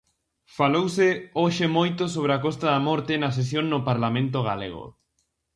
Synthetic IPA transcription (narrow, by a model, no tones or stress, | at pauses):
falowsɪoʃemojt̪osoβ̞ɾɪakɔst̪ɐðamɔɾt̪ɪnɐs̬es̬joŋnʊpaɾlamẽnt̪̬oɣalḛɣo̰